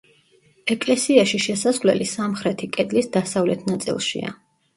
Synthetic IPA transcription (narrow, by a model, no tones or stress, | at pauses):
ɛkʼlɛsiaʃiʃɛsazʁlɛ̰lisamχɾɛt̪ʰikʼɛd̪lisd̪asavlɛt̪ʰnat̪sʼḭlˠʃḭa̰